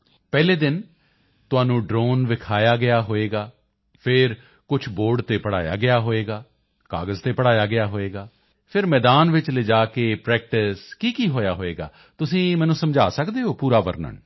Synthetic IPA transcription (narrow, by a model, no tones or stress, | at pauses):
pɛːleːd̪ɪn | t̪ʊãːnũːɖɾoːnʋɪkʰaːjaːɡɪjaːɦoːeːɡaː | pʰɪɾ | kʊt͡ʃʰboːɾɖt̪eːpəɽa̰ːja̰ːɡɪjaːɦoːeːɡaː | ka̰ːɡəzt̪eːpəɽaːjaːɡɪjaːɦoːeːɡaː | pʰɪɾmɛːd̪aːnʋɪt͡ʃled͡ʒaːkeːpɾɛːk̚ʈɪskiːkiːɦoːjaːɦoːeːɡa̰ː | t̪ʊsĩːmɛ̃ːnũːsəmd͡ʒaːsəkd̪eːɦoːpuːɾaːʋə̰ɾnə̰ɳ